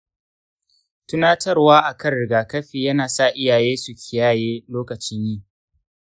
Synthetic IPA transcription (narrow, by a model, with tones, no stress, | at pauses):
tʊ˦naː˦tʰɐ˦rwaː˦ʔa˨kɐ˦˨nɽɪ˨ɡaː˨kɐ˦ɸiː˨jɐ˦naː˨sa˦˨ʔɪ˦jaː˨jeː˦su˨kʲʰɪ˨jaː˦˨jeː˦loː˦kɐ˨t͡ʃɪ˦ɲjiː˦